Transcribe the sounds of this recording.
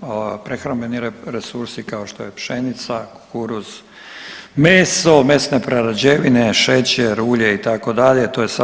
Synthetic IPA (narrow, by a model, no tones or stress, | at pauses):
pɾexɾambeniɾɾesuɾsikao̞ʃt̪ojepʃenit̪sakokuɾuz̥ | meːso̞me̞snepɾaɾad͡ʑeʋine̞ʃet͡ɕeɾuːʎe̞it̪ako̞d̪aʎet̪ojesa